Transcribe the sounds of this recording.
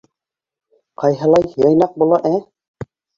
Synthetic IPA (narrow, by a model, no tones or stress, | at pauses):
qɑjɦɤ̆lˠɑjjɑjnɑq̚bulˠɑʔæ